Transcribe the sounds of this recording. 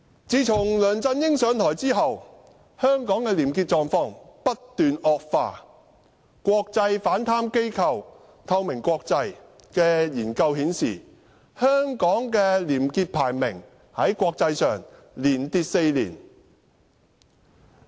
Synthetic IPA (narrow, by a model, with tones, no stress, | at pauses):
t͡siː˨˧˥t͡sʰʊ˨˩ŋlœː˨ŋt͡sɐ˧njɪ˥ŋsœː˨˥ŋt̪ʰɔː˨˩jt͡siː˥ɦɐ˨w | hœː˥ŋkɔː˨˥ŋkɛː˧liː˨˩mkiː˧t̚t͡sɔː˨˧ŋfɔː˧ŋpɐ˥tt̪yː˨nɔː˧k̚faː˧ | kʷɔː˧k̚t͡sɐ˧jfaː˨˥nt̪ʰaː˥mke˥jkʰɐ˨˧w | t̪ʰɐ˧wmɪ˨˩ŋkʷɔː˧k̚t͡sɐ˧j | kɛː˧jiː˨˩nkɐ˧whiː˨˥nsḭː˨˩ | hœː˥ŋkɔː˨˥ŋkɛː˧liː˨˩mkiː˧t̚pʰaː˨˩jmɪ˨˩ŋ | hɐ˨˥jkʷɔː˧k̚t͡sɐ˧jsœː˨˩ŋ | liː˨˩nt̪iː˧t̚se˧jlḭː˨˩n